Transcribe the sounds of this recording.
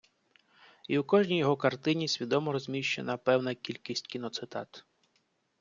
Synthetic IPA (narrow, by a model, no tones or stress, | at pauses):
iwkɔʒnʲijɔɦɔkɐrt̪ɪnʲisʲʋʲid̪ɔmɔɾɔzʲmʲiʃt͡ʃḛnɐpɛwnɐkʲilʲkʲisʲtʲkʲinɔt̪sɪt̪ɑ̰t̪